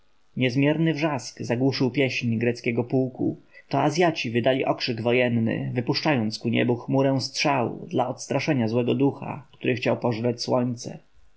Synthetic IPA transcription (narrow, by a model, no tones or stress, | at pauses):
ɲɛzmʲjɛɾnɘvʐaskzaɡwuʂɘwpʲjɛɕɲɡɾɛt̪skʲɛɡɔpuwkṵt̪ɔazʲjat͡ɕivɘd̪alʲiʔɔkʂɘɡvɔjɛnːɘ̰vɘpuʂt͡ʂajɔnt̪skuɲɛ̰buxmuɾɛw̃st̪ʂawṵd̪laɔt̪st̪ɾaʂɛɲazwɛɡɔd̪uxa̰k̚t̪uɾɘxt͡ɕawpɔʐɾat͡ɕswɔɲt̪sɛ̰